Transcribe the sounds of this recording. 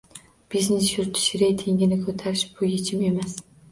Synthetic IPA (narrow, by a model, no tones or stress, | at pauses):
b̥iznesjʊɾt̪ʰɪ̥ʃɪɾejt̪ʰe̞ŋʲɪnɪkʰɵt̪ʰaɾɪʃb̥ʊjet͡ʃʰɪme̞mas